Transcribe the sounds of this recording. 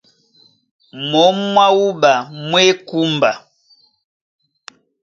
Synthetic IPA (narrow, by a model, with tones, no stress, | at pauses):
mɔ˦mwa˦u˦ba˨mwe˦ku˦mba˨